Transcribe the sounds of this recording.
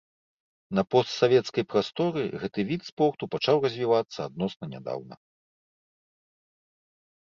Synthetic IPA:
nɐpɔst̪savʲɛt̪skɐjpɾast̪ɔɾɨɣɛt̪ɨvʲit̪spɔrt̪upat͡ʂawrɐzʲvʲivat̪sːɐad̪̚nɔsnɐnʲa̰d̪a̰wnɐ̰

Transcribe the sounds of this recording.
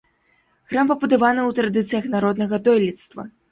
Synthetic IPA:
ɣɾampɐbud̪avanɨwt̪ɾad̪ɨt̪sɨjɐxnaɾɔd̪nɐɣɐd̪ɔjlʲit̪st̪vɐ̰

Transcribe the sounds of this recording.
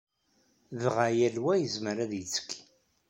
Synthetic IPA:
ðʁajælwæjəzməɾæðjət͡sːə̥kː

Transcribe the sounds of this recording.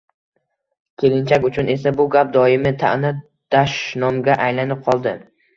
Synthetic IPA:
kʲʰe̞lɪnt͡ʃʰakʲʊt͡ʃʰʊne̞sabʊɡʲap̚d̪ɒɪmɪt̪ʰa̰ʔnɪ | d̪̥aʃnɒmɡʲaʔajlanɪp̚qʰɒlˠd̪ɪ

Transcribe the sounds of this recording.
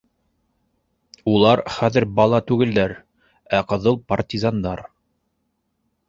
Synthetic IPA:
ulˠɑɾχæðɘɾbɑlˠɑt̪ʉɡɘ̆ld̪æɾ | æqɤ̆ðɤlˠpɐrtʲizɑnd̪ɑɾ

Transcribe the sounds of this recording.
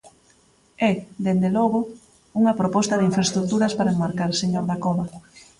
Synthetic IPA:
ɛd̪end̪elɔɣʊ | uŋɐpɾopɔst̪ɐðɪiɱfɾest̪ɾuk̚t̪uɾɐspaɾaemaɾkaɾseɲoɾðakɔβɐ

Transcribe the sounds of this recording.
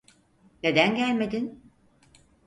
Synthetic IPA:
ne̞d̪ænɟælʲme̞d̪in

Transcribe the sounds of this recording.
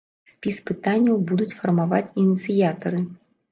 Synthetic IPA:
sʲpʲispɨt̪anʲːɐwbud̪ut͡sʲfɐrmavat͡sʲinʲit̪sɨjat̪ɐɾɨ

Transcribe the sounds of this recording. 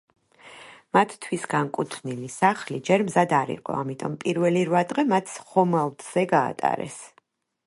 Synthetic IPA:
mat̪ʰt̪ʰwisɡaŋkʼut̪ʰnilisaχlid͡ʒɛɾmzad̪aɾḭqʼɔ̰amit̪ʼɔ̰mpʼiɾvɛliɾvad̪ʁɛmat̪ʰsχɔmalˠd̪z̥ɛɡa̰ːt̪ʼa̰ɾɛ̰s

